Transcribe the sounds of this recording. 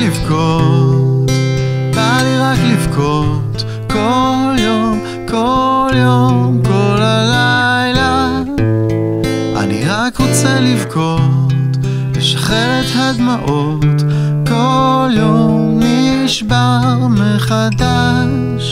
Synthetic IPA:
ivkʰotbaliʁaklivkʰot | kʰoljom | kʰoljommkolalajla | ʔa̰nḭʁakʁot͡sɛlivkʰot | leʃḁχelɛthad̪maʔo | t̪ | koljommniʃbaʁmeχad̪a | ʃ

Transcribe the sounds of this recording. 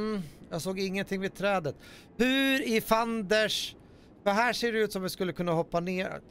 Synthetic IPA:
jɑːɡsoːɡɪŋːənt̪ʰɪŋvɪd̪̚t̪ʰɾɛːd̪ət̪ | hʉɾɪfand̪əʂ | fəɦæːʂeːɖɛʉ̟ːt̪sɔmvɪskɵlːəkʰɵnːahɔpːanḛː

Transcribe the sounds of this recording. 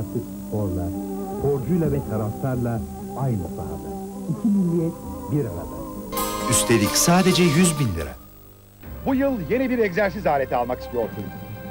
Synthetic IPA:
t̪ʰːˠɯkspʰo̞ɾlˠa̰kʰo̞ɾd͡ʒujlˠavɛt̪ʰaɾaflˠaɾlˠa | ajnɯsa̰ɾd̪ˠaicʰimilʲːijɛt̪̚biɾa̰ɾa̰d̪a̰yst̪ʰe̞lʲicsaːd̪ed͡ʒɛjyzbinlʲḭɾɛ̰ | bujɯlˠje̞nibiɾeczæɾs̬izaːlʲe̞t̪ʰialˠmaki̥st̪ijoɾt̪ʰun

